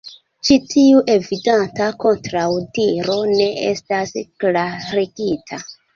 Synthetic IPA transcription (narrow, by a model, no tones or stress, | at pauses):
t͡ʃitʰiuʔe̞vidantako̞ntɾawdiɾo̞ne̞ḛstasklaɾiɡitʰa